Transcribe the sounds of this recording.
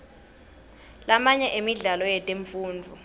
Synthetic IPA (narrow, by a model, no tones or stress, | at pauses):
lamaɲɛʔemiɮalɔjɛtʼeɱfuːnd͡vʱu